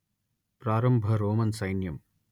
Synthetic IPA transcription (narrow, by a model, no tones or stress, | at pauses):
pɾaːɾɐmbʱɐɾoːmɐnsɐjnjɐm